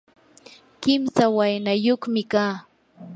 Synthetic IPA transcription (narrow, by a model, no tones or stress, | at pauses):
kɪmsawajnajoχmɪkaː